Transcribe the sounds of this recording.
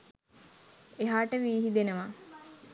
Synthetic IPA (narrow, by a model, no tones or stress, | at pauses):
eɦaːʈəʋiːɦid̪enəʋa